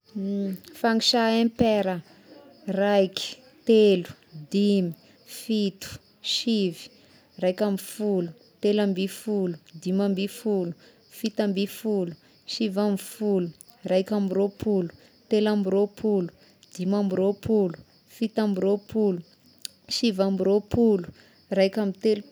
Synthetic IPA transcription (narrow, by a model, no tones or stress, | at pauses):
faŋiʃaempeɾə | rajki̥ | t̪elu̥ | d̪imi | fit̪u̥ | ʃivi̥ | rajkʲamfulu | t̪elambifulud̪imambifulu̥ | fit̪ambifulu̥ | ʃivamifulu | rajkʲambiɾopʰulu̥ | t̪elambiɾopʰulu̥ | d̪̥imambiɾopʰulu̥ | fit̪ambiɾopʰulu | ʃivambiɾopʰulu̥ | rajkʲamit̪elu